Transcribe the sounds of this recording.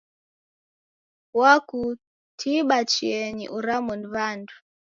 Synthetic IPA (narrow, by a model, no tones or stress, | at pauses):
waku | tʰiɓat͡ʃiɛɲḭʔuɾamɔnvandu